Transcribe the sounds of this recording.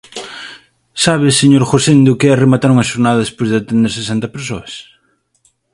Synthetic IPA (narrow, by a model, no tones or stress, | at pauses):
saβɪseɲoɾxosend̪ʊkɪɛɐremat̪aɾuŋɐʃoɾnaðɐðespojzðɪat̪end̪eɾsesɛnt̪ɐpeɾsoɐs